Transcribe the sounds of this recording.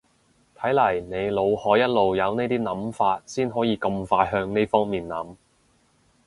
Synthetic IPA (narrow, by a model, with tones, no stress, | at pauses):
t̪ʰɐ˨˥jlɐ˨˩jne˨˧jlo˨˧whɔː˨˥jɐ˥t̚lo˨wjɐ˨˧wne˥jt̪iː˥nɐ˨˥mfaː˧t̚siː˥nɦɔː˨˥jiː˨˧kɐ˧mfaː˧jɦœː˧ŋne˥jfɔː˥ŋmiː˨nːɐ˨˥m